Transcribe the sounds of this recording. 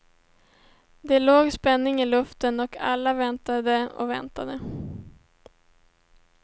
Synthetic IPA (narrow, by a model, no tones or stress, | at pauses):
d̪ɛloːɡspɛnːɪŋɪlɵft̪ənɔkʰa̰lːavɛnt̪ad̪əɔ̰vɛ̰nt̪ad̪ə